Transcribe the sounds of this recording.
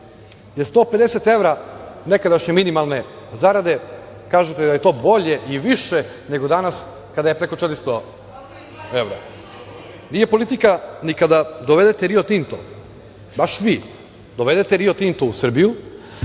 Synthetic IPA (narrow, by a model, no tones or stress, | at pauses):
jest̪o̞ːpe̞d̪e̞set̪e̞ʋɾane̞kad̪aʃɲeminimalˠne̞ | zaɾad̪e̞ | kaːʒet̪ed̪aje̞t̪o̞ːbo̞ʎe̞ʔiʋiʃe | ne̞ɡo̞d̪anas | kad̪ajepɾe̞ko̞t͡ʃet̪ɾist̪o | e̞ʋɾa̰ | nije̞po̞lˠit̪ikanikad̪ad̪o̞ʋe̞d̪et̪eɾio̞t̪int̪o̰ | baʃʋiː | d̪o̞ʋe̞d̪e̞t̪eɾiot̪int̪ousr̩biju